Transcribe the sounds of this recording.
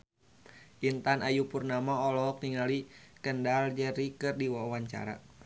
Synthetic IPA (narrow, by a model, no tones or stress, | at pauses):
ʔint̪anajupurnamaɔlɔk̚niŋalikəndald͡ʒərikərdiwawaɲt͡ʃa̰ɾa̰